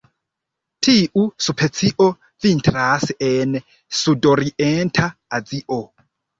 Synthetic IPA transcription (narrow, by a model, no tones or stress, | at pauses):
tʰiʔusupʰet͡sʰiʔo | vintɾasʔen | sudoɾientʰaːd͡ziʔo